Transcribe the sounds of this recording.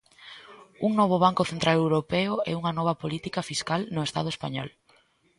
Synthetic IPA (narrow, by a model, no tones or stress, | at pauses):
uŋnɔβ̞ʊβ̞aŋkʊθent̪ɾalewɾopɛʊɛ̰uŋɐnɔβ̞ɐpolit̪ikɐfiskalnʊest̪a̰ð̞ʊespaɲɔ̰l